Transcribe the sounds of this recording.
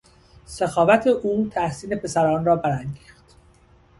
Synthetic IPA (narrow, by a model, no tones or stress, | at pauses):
sexɒːvæt̪ʰe̞ʔuːt̪ʰæhsiːne̞pʰe̞sæɾɒːnrɒːbæɾæŋɡiːxt̪